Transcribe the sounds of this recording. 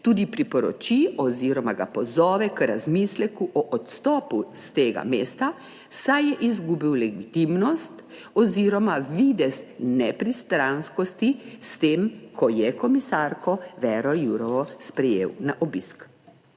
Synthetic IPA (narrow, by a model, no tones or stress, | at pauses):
t̪uːd̪ipɾipɔɾɔ̰t͡ʃiɔziɾɔmaɡa̰pɔzɔːʋɛkɾazmislɛkuʔɔʔɔt̪st̪ɔːpust̪eːɡa̰meːst̪a | sajjɛʔizɡuːbiwlɛɡit̪imnɔst̪ | ɔziɾɔmaʋid̪ɛsnɛpɾist̪ɾanskɔst̪ist̪eːmkʰɔjɛkɔmisaɾkʰɔʋɛɾɔjuɾɔʋɔspɾɛjḛːwnaʔɔbisk